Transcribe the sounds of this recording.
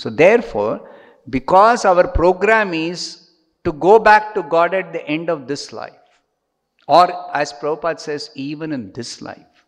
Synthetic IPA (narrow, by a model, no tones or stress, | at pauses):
soːd̪eːɾfɔ̰ːɾ | bɪkɔːzaʊəɾpɾoːɡɾæ̃mɪz | ʈuɡoːbæk̚ʈuɡɔːɖæʈ̚d̪iʔẽɳɖɔʋd̪ɪsla̰ɪf | ɔːɾæz̥pɾʌbʊpaːd̪seːziːʋə̃nɪ̃nd̪ɪsla̰ɪf